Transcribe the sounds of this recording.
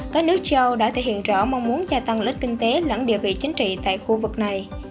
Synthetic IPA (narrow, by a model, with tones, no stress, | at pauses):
kaː˦˥k̚nɨ˦˥ək̚t͡ɕə˧wɗa̰ː˧˥t̪ʰe˧˩hḭ˧˨ənzɔ̰˧˩ma˧wŋ͡mmu˨˦ənzaː˧t̪a˧ŋlï˦˥k̟̚kï˧ŋ̟t̪e˨˦lə̰˧˥nɗḭ˧˩əvḭ˧˨t͡ɕï˨˦ŋ̟t͡ɕḭ˧˨t̪a̰ː˧˨jxu˧vɨ˨˩k̚na˨˩j